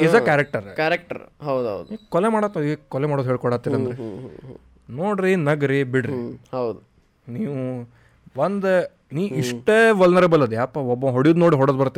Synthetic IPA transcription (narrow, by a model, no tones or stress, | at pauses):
id͡zɐkaːɾek̚ʈɐɾkaɾek̚ʈɐ̰ɾɦɐwd̪ɦɐ̰wd̪ukɔlemaːɽat̪ːɐikɔlemaːɽod̪ɦeːɭkɔɽaːt̪ːiːɾɐnd̪ɾe | noːɽɾinɐɡɾibiɽɾihɐwd̪u | niːʋu | ʋɐnd̪ | niːʋiʂʈeʋɐlnɐɾebɐlːɐd̪jaːpːɐɔbːoɦoɽijud̪noːɽiɦɔɽoːd̪bɐɾɐt̪ːi